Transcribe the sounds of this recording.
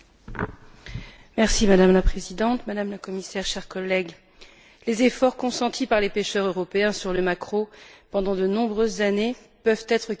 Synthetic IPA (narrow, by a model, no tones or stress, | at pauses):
mɛʁsimad̪amlapχezid̪ɑ̃t̪mad̪amlakɔmisɛʁʃɛʁkɔlːɛɡ | lezefɔʁkɔ̃sɑ̃t̪ʰipaʁlepeʃœʁøʁɔpeɛ̃syʁləmakχopɑ̃d̪ɑ̃d̪ənɔ̃bʁøzːane | pœvt̪ɛt̪χə